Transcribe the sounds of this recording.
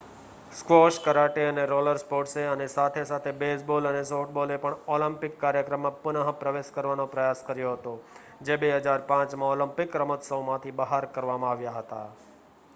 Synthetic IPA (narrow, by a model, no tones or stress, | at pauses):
skʋɔʃkəɾaʈeəneɾoləɾspoʈseənesat̪ʰesat̪ʰebesbolənesoʈ̚bolepəɳɔləmpɪkːaɾjəkɾəmːãpʊnəɦpɾəʋeʃkəɾʋanõpɾəjaskəɾjoɦət̪o | d͡ʒebeɦəd͡ʒaɾpãt͡ʃmãɔləmpɪkɾəmət̪səwmãt̪ʰibəɦaɾkəɾʋamãaʋjaɦət̪a̰